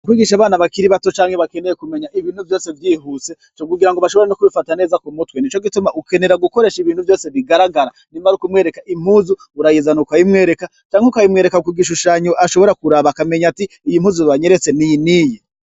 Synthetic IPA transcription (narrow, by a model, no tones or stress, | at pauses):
ukwiːɡiːʃaβaːnaβakiɾiβato̞t͡ʃaːŋheβake̞nejekume̞ɲaʔiβiːnhuvjo̞se̞vjiɦuse̞ | t͡ʃokuɡiɾaŋɡoβaʃo̞βo̞ɾenokuβifatane̞ːzakumutwenit͡ʃoɡitumaʔuke̞ne̞ɾaɡuko̞ɾe̞ːʃiβiːn̥huvjo̞ːseβiɡaɾaɡaɾa | niːmaɾukumŋe̞ːɾe̞kaʔim̥huzu | uɾajizanokajimŋe̞ːɾe̞ka | t͡ʃaːŋheukajimŋe̞ɾekakiɡiʃ̬uʃaɲoʔaʃo̞βo̞ɾakuɾaβakame̞ɲatiːjim̥huːzuβaɲe̞ɾe̞t͡se̞nijiniːji